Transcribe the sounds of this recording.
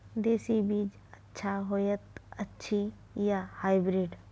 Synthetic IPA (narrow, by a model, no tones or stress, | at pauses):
d̪eːsibiːd͡ʒ | ətːʃʰaɦojət̪ɐtːʃʰi | jahaːɪbɾiːɖ